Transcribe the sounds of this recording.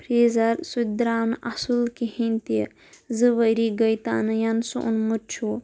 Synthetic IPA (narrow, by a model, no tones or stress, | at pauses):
pʰɾeːzɐɾsud̪ɾaːmʔɐsulkihint̪i | zɨʋəɾiɡɐjt̪aːnɨjɐnsṵʔṵnmut͡ʃʰu